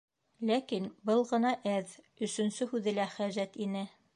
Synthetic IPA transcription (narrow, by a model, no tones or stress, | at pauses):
lækinbɤlˠʁɤ̆nɑʔæð | ɵ̆sɵ̆nsɵhʉðɘlæχæʑæt̪inɘ